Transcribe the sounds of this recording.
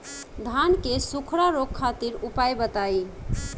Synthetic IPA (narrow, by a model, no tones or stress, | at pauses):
d̪ʱankesukʰɽaɾokʰːat̪iɾupajbət̪ai